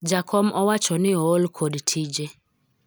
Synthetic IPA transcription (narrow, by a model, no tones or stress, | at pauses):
d͡ʒakʰɔmɔwat͡ʃɔnɪɔolkʰodtʰid͡ʒe